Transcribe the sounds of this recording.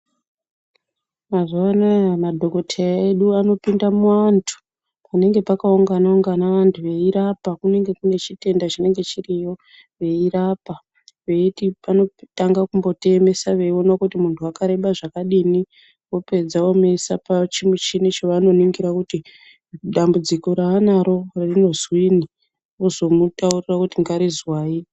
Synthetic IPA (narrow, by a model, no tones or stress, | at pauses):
maʐoanamadʱo̞ko̞tʰejaeɗuano̞pindamuantʰu̥ | pane̞ŋɡe̞pakauŋɡanauŋɡanaʋantʰuʋe̞iɾapakune̞ŋɡe̞kune̞t͡ʃite̞ndat͡ʃine̞ŋɡe̞t͡ʃirijo̞ | ʋe̞iɾapa | ʋe̞itipano̞taŋɡakumbo̞te̞me̞saʋe̞io̞nakutimuntʰuakaɾe̞ɓaʐakaɗini | wo̞pe̞d͡zawo̞mesapat͡ʃimut͡ʃinit͡ʃoʋano̞niŋɡiɾakuti | ɗambud͡ziko̞ɾaːnaɾo̞rarino̞zwiːni | ozo̞mutaurirakutiŋɡaɾizwaːi